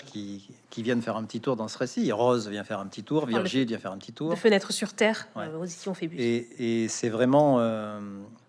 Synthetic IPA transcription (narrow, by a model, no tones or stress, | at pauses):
kʰʲikʲivjɛ̃d̪əfɛʁɛ̃pət̪it̪uʁd̪ɑ̃səʁesiʁɔzvjɛ̃fɛʁɛ̃pət̪it̪uʁviʁʒilvjɛ̃fɛʁɛ̃pət̪it̪ud̪ːʁfənɛt̪χəsyʁt̪ɛːʁwɛozisjɔ̃febyeesɛvʁɛmɑ̃ø